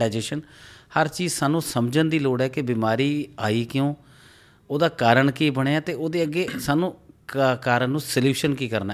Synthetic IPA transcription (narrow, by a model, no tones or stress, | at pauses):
aːd͡ʒeːʃənhəɾt͡ʃiːzsaːnũːsəmd͡ʒənd̪iːloːɽɛːkɪbiːmaːɾiːaːiːkɪjõː | oːd̪aːkaːɾəɳkiːbəɽ̃eːaːt̪eːoːd̪eːəɡːeːsaːnũːkaːɾənnːũːsəljuːʃənkiːkəɾnaː